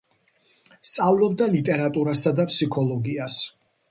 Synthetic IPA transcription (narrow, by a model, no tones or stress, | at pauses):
st̪sʼavlɔb̚d̪alit̪ʼɛɾat̪ʼuɾasad̪apʰsikʰɔlɔɡias